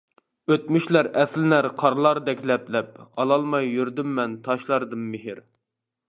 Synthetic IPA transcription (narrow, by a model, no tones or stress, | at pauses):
øt̪myʃlæɾɛslɪnæɾqʰɑɾlˠɑɾd̪ɛkʲlɛplɛp̚ɑlˠɑlˠmɑjːyɾd̪ymːɛnt̪ʰɑʃlˠɑɾd̪ɨmmɪɦɪɾ